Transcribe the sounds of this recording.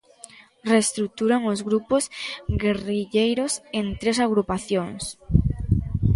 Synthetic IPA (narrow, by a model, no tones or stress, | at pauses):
rest̪ɾuk̚t̪uɾaŋozɣɾuposɡeriʎejɾosent̪ɾesaɣɾupaθjoŋs